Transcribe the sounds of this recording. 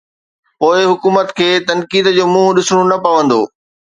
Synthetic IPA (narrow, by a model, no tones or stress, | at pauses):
poːɪɦʊkuːmət̪kʰeːt̪ɐnkiːd̪d͡ʑoːmũːɦʊɗɪsɽ̃onɐpɐʋə̃nd̪o̰ː